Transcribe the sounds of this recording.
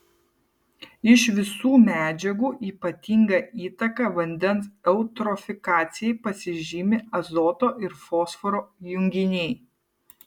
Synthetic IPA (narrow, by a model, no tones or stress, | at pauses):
ɪʃʋʲɪsuːmʲæːd͡ʒʲɛɡuːʔiːpɐt̪ʲiŋɡɐʔiːt̪ɐkɑʋɐnʲd̪ʲɛnsɛʊt̪ɾɔfʲɪkɑːt̪sʲɪjɛɪpɐsʲɪʒʲiːmʲɪɐzɔːt̪oːʔɪɾfɔːsfɔɾoːjʊŋʲɡʲɪnʲɛɪ